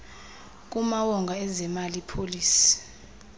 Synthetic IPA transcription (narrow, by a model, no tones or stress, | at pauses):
k̬ʼumawɔŋɡʱaɛzɛmalipʰoliːsi̥